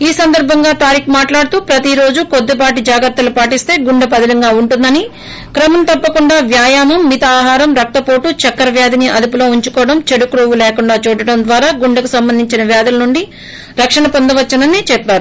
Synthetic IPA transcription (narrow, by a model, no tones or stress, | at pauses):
iːsɐnd̪ɐɾbʱɐŋɡaːt̪aːɾiːkumaːʈlaːɽt̪uːpɾɐt̪iɾo̞ːd͡ʒukod̪ːep̬aːʈid͡ʒaːɡɐɾt̪ːɐlupaːʈist̪e̞ːɡuɳɖɐp̬ɐd̪ɐlɐŋɡaːuɳʈund̪ɐni | kɾɐmɐmt̪ɐpːɐkuɳɖaːʋjaːjaːmɐmːit̪ɐaːɦaːɾɐmɾɐk̚t̪ɐpoːʈut͡ʃɐkːɐɾɐʋjaːd̪iniʔɐd̪upulo̞ːuɲt͡ʃukɔːɽɐmt͡ʃeɽukɾoːʋulɛːkuɳɖaːt͡ʃuːɽɐɽɐnd̪ʋaːɾaːɡuɳɖɐkusɐmbɐnd̪ʱiɲt͡ʃinɐʋjaːd̪ɐlɐnuɳɖi | ɾɐkʂɐɳɐpond̪ɐʋɐt͡ʃːɐnɐnːit͡ʃɛpːaːɾu